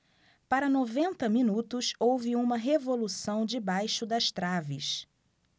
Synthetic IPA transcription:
paɾɐnovẽnt̪ɐmĩnut̪ʊsowvɪũmɐɦevolusɐ̃w̃d͡ʒɪbajʃʊd̪ɐʃt̪ɾavɪ̰s

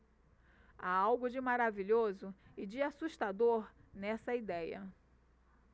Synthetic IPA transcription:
aawɡʊd͡ʒɪmaɾaviʎozʊɪd͡ʒɪasuʃt̪ad̪oɾnɛsɐid̪ɛjɐ̰

